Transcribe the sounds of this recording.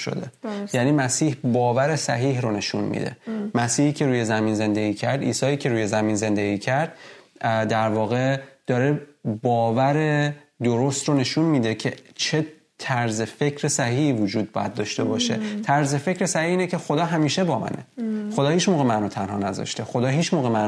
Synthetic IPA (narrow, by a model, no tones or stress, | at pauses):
ʃo̰d̪e̞̰jæniːmæsiːhbɒːvæɾe̞sæ̰ɦiːɦɾone̞ʃunmḭd̪e̞̰mæsiːhiːcʰe̞ɾuːje̞zæminze̞nd̪eɡʲiːcʰæɾd̪ḭːsɒːiːcʰe̞ɾuːje̞zæminze̞nd̪eɡiːcʰæɾd̪̥̚ | d̪æɾvɒːɣe̞d̪̥ɒːɾebɒːvæɾe̞ | d̪oɾost̪ɾone̞ʃunmiːd̪e̞cʰe̞t͡ʃʰe̞ | t̪ʰæɾze̞fe̞cʰɾe̞sæɦiːhiːvod͡ʒuːd̪̚bɒ̰ːjæ̰d̪̚ːɒːʃt̪e̞bɒːʃe̞̰t̪ʰæɾzefe̞cʰɾesæhihiːnecʰe̞xod̪ɒːɦæmiːʃebɒːmæ̰nʔḛχod̪ɒːhiːt͡ʃmoːɣemænot̪ʰænhɒ̰ːnæzɒ̰ʃt̪e̞xo̞d̪ɒːɦiːt͡ʃmoːɣemæ